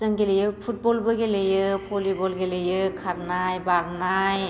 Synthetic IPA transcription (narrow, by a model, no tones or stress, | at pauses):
zɯŋɡelejɯpʰut̚bɔlbɯɡelejɯpʰolibɔlɡelejɯkʰaɾnajbaɾnaj